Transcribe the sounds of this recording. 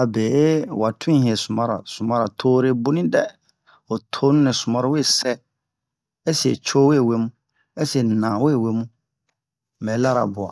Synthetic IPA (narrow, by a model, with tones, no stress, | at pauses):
a˨beː˨e˦wa˨tʰʊ̃˦hĩ˨ɛ˨sʊ˨mã˦ɾa̰˨sʊ˨mã˦ɾa˨tʰoː˦ɾe˨bʊ˦nĩ˦dɛ˦ | ɔ˨tʰo˦nʊ̃˦nɪ̃˨sʊ˨mã˦ɾɪ˦we˦˨sɛ˦ | ɛ˦si˨ɛ̰˨t͡ɕʰo˦we˦˨we˦mũ˦ | ɛ˦si˨ɛ˨nãː˨we˦˨we˦mũ˦˨ | mɛ̃˨˦la˦ɾa̰˨bʊ˨a̰˨